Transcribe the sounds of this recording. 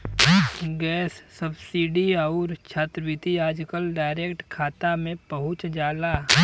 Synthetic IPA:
ɡɛːsːəbsiːɖiaʊɾt͡ʃʰaːt̪ɾəʋɪt̪iaːd͡ʒkəlɖaːɪɾekʈkʰaːt̪amẽpəɦʊ̃t͡ʃd͡ʒaːla

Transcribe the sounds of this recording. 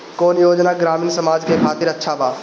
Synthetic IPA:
koːnjoːd͡ʒnaɡɾaːmiːnsəmaːd͡ʒkekʰaːt̪ɪːɾɐtːʃʰabaː

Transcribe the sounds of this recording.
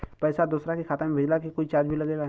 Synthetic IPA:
pɛːsad̪uːsɾakixʰaːt̪əmbʱɪd͡ʒlak̬ikoːit͡ʃaːd͡ʒbʱilɐɡeːɡa

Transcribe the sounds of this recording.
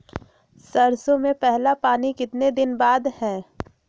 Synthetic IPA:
sɐɾsõmẽpɛɦlapaːnikɪt̪ned̪ɪnbaːd̪hɛ̃ː

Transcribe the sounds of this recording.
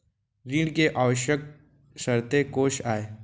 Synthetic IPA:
ɾiːɽkeʔaːʋəʃjək̚ | ʃəɾt̪ekoːʃaːeː

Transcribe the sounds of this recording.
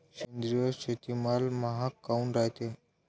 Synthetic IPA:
ɕend̪ɾijəɕet̪imalmaɦakːaũnɾaɦt̪e

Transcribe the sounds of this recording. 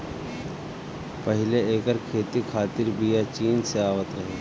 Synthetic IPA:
pəɦɪleeːkəɾkʰeːt̪ikʰaːt̪iɾbʱijat͡ʃiːnseaːʋət̪ɾɐɦeː

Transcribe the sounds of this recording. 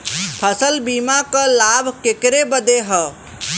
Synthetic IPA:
pʰəsəlbiːmakə̃labʱkekɾebəd̪eɦə

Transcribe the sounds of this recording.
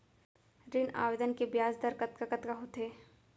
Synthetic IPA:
ɾɪna̰ːʋed̪ənkebjaːzd̪əɾkɐt̪̚kakɐt̪kaɦot̪eː

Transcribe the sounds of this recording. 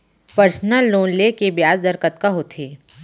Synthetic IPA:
pəɾsnəlːoːnlekebjaːzd̪əɾkət̪kaɦot̪ʰiː

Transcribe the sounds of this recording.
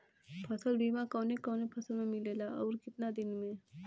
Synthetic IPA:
pʰɐsəlbʱiːmãkɔ̃ːnẽkɔːnẽpʰɐsəlmẽmɪlelaɔːɾkɪt̪nad̪ɪnmẽ

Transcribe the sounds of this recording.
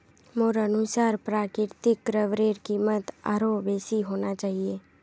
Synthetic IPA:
moɾənʊsaːɾpɾaːkɪɾt̪ɪkɾəʋɾeːɾkiːmət̪a̰ːɾoːbeːsiɦoːnaːt͡ʃaːɦieː

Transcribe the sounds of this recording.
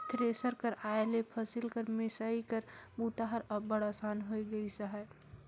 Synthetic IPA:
t̪ɾesəɾkəɾaːelepʰɐsɪlkəɾmɪsaːikəɾbut̪aɦəɾɐbəɽasaːnɦoiɡəisaɦɛ

